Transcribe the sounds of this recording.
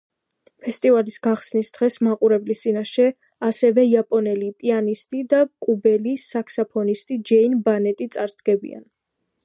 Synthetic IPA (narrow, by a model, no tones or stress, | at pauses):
pʰɛst̪ʼivalisɡaχsnisd̪̥ʁɛsmaqʼuɾɛblist̪sʼinaʃɛ | asɛvɛiapʼɔnɛlipʼianist̪ʼid̪akʼubɛlisakʰsapʰɔnist̪ʼid͡ʒɛinbanɛt̪ʼit̪sʼaɾsɡɛbḭa̰n